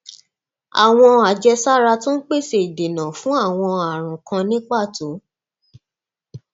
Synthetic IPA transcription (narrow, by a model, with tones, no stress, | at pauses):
a̰˨w̃ɔ̃˧a˨d͡ʒɛ˧sa˦ɾa˧tũ˦n̩˦k͡pe˦˨se˨i˨de˨nã˨fũ˨˦a˦˨w̃ɔ̃˧a˨ɾ̃ã˨kã˧nĩ˦k͡pa˦˨to˨˦